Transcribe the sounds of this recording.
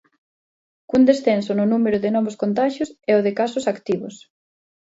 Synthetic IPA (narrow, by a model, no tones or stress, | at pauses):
kund̪esθensʊnʊnumeɾʊðɪnɔβoskont̪aʃjʊsɛoðɪkasʊsakt̪iβʊs